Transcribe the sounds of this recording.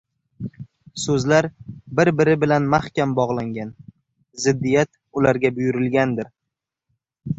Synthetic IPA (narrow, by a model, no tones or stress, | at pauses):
sɵzlaɾbɪɾbɪɾɪbɪlanmahkʲambɒʁlˠaŋɡʲan | zɪd̪ːijat̪ | ʊlaɾɡʲabʊjʊɾɪlɡʲand̪ɪɾ